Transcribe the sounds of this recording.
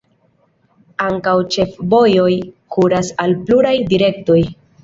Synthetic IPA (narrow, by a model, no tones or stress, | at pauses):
aŋkawt͡ʃe̞fbo̞jo̞jkuɾasalpluɾajdiɾe̞kto̞j